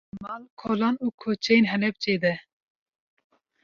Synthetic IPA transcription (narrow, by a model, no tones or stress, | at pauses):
mɑːlkʰoːlɑːnuːkʰot͡ʃʰɛjenɦɛlɛp̚t͡ʃeːd̪ɛ